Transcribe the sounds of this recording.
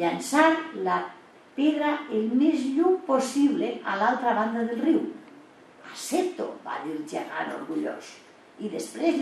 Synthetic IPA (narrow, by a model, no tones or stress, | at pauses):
ʎansaɾla | peðɾaelmezʎupo̞siβlea̰lalt̪ɾaβand̪aðelriw | aset̪o̰ba̰ðiɾd͡ʒa̰ɣa̰no̰ɾɣuʎo̰s | iðespɾez